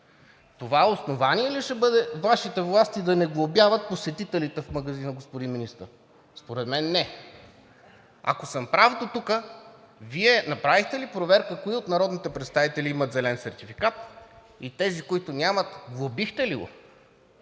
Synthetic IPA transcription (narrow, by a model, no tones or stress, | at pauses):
t̪ovaosnovaniɛliʃɛbɤd̪ɛvaʃit̪ɛvlˠast̪id̪ɐnɛɡlˠobʲjavət̪̚posɛt̪it̪ɛlit̪ɛfmɐɡɐzinəɡospod̪inminist̪ə̰ɾ | spoɾɛt̪mɛnːɛ | ɐ̰kosəmpɾavd̪ot̪ukə | viɛnɐpɾavixt̪ɛlipɾovɛɾkəkoiot̪nɐɾɔd̪nit̪ɛpɾɛt̪st̪avit̪ɛliimət̪zɛlɛnsɛɾt̪ifi̥kat̪̚ | it̪ɛzikoit̪onʲjamət̪ɡlˠobixt̪ɛliɡo̰